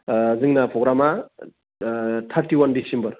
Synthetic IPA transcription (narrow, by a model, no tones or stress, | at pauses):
zɯŋnapʰɾoɡɾama | tʰaɾtiwandisembɐɾ